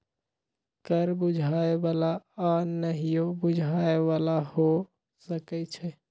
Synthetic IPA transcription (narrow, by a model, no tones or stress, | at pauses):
kəɾbʊd͡ʒʱaebalaanəɦijobʊd͡ʒʱaeβalaho | səkɛt͡ʃʰɛ